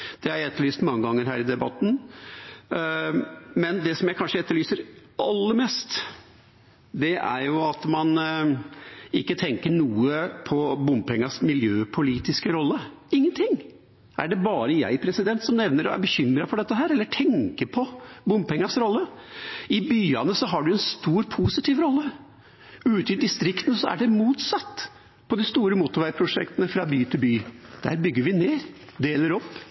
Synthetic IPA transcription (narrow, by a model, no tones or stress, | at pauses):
d̪̥ɛhæɾɛt̪ːəɭyːst̪mɑŋːəɡɑŋːəɾɦæːɾɪd̪ɛbɑt̪ːn̩ | mɛnd̪ɛsɔmjæɪkʰɑnʂəɛt̪ːəɭyːsəɾ | ʔɑlːəɾmɛst̪ | d̪ɛʔæ̰ɾjʊɑt̪mɑn | ɪkːət̪ʰɛŋkəɳuːəpʰɔbʊmpɛŋːɑsmɪljøːpʰʊliːt̪ɪskəɾɔlːə | ɪŋːənt̪ʰɪŋː | æ̰ɖɛbɑːɾəjæ̰ɪpʰɾɛsɪd̪ɛnt̪sɔmnɛʋnəɾɔ̰æ̰ɾbəçʏmɾɑfɔɖɛt̪ːəɦæːɾɛlːəʈʰɛŋkəɾpʰɔbʊmpɛŋːɑsɾɔlːəɪbyːɑnəsɔɦɑɖʉɛnst̪uːɾpʰusɪt̪iːʋɾɔlːə | ʉːt̪ɪd̪ɪst̪ɾɪkt̪ən̩sɔæ̰ɖɛmuːt̪sɑt̪ː | pʰɔd̪ɪst̪uːɾəmʊt̪ːʊɾʋæɪɾpʰɾʊʂɛ̰kt̪ənəfɾɑbyːt̪ʰɪlbyːd̪̥æ̰ːɾbʏɡːəɾʋɪneːɾd̪eːləɾɔpː